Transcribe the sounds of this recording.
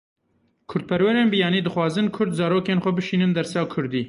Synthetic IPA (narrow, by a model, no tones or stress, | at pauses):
kʰʊɾd̪̚pʰɛɾwɛɾeːnbɨjɑːniːd̪ɨxwɑːzɨnkʰʊɾd̪zɑːɾoːkeːnxʷɛbɨʃiːnɨnd̪ɛɾsjɑːkʰʊɾd̪iː